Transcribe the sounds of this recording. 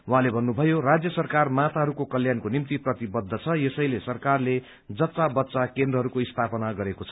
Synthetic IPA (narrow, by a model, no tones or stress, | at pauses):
waɦãlebʱʌnːubʱʌjorad͡zjʌsʌrkarmat̪ʰaɦʌɾukokʌljankonimt̪iprʌt̪ibʌd̪ʱːʌt͡sʰʌjesʌjlesʌrkarle | d͡zʌtt͡sabʌtːsakend̪rʌɦʌɾukoist̪ʰapʌnaɡʌɾekot͡sʰʌ̥